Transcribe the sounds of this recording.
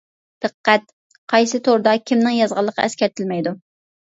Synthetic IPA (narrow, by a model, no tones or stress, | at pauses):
d̪̥ɨqːæt̪̚ | qʰɑjsɨt̪ʰoɾd̪ɑkʲʰimnɪŋjɑzʁɑlˠːəqʰɑ̰ʔɛskʲɛɾt̪ʰɪlmɛjd̪u